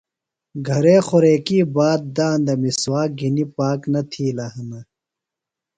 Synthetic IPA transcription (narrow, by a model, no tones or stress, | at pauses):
ɡʱɐɾeːxoɾeːkiːbaːt̪̚d̪aːnd̪ɐmiswaːɡʱinipaːknɐt̪ʰiːlaɦɐnɐ